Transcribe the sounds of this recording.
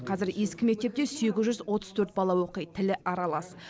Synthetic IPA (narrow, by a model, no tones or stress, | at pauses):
qʰɑzɪɾje̞skʲɪme̞k̚t̪e̞p̚t̪ese̞ɡʲɪzʒʏzwo̞t̪ə̥zt̪ʰɵɾt̪̚bɑlˠɑwoqəjt̪ʰːɪlɪʔɑɾɑlˠɑs